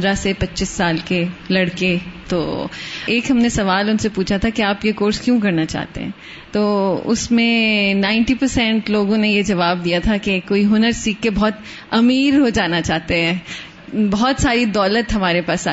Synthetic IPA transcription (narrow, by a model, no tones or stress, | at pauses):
d̪ɾasepɐtːt͡ʃɪsːaːlkelɐɽket̪o̰ːeːkɦɐmnesɐʋaːlʊnsepuːt͡ʃʰat̪ʰakiaːpjekoːɾskjũk̬ɐɾnat͡ʃa̰ːɦt̪ḛɦɛ̰̃ː | t̪oːʊ̰smẽnãːɪ̃ɳʈipɐɾsɛ̃ɳʈloːɡõnejed͡ʒɐʋaːb̚d̪ijat̪ʰakekoːiɦʊnəɾsiːkːebɔːt̪ | ɐmiːɾɦod͡ʒaːnat͡ʃaːɦt̪eɦɛ̃ː | bɐɦɔt̪saːɾid̪ɔːlət̪ɦɐmaːɾepaːsa